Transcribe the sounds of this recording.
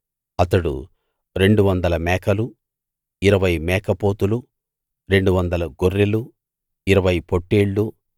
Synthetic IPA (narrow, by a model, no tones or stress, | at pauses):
ɐt̪ɐɽṵ | ɾe̞ɳɖuʋɐnd̪ɐlɐmɛːkɐlu | iɾɐʋɐjmɛːkɐpoːt̪ulu | ɾe̞ɳɖuʋɐnd̪ɐlɐɡorːelu | iɾɐʋɐjpo̞ʈːeːɭːu